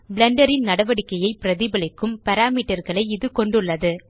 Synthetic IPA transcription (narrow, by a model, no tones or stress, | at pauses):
bɪɭɐɳɖɐɾɪnnɐɽɐʋɐɽɪkːɐjɐɪpːɪɾɐðibɐlɐkːɯmpɐɾaːmiːʈːɐɾɣɐɭɐɪɪðɯkɔɳɖɯɭːɐðɯ